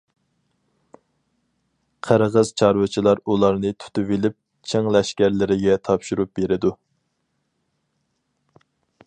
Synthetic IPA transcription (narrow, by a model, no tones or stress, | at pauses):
qʰəɾʁəz̥t͡ʃʰɑɾwɨt͡ʃʰilˠɑɾulˠɑɾnɨt̪ʰy̥t̪yvɪlɪp̚ | t͡ʃʰeŋlɛʃkʲæɾlɪɾɪɡʲɛt̪ʰɑpʃuɾup̚beɾɪd̪u